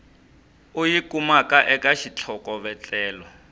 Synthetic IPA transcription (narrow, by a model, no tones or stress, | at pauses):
ujikumakaʔɛkaʃit͡ɬʰɔkɔβɛt͡ɬʼɛːlɔ